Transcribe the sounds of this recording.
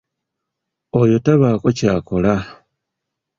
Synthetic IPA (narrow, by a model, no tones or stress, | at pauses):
ojo̞taβaːko̞caːko̞la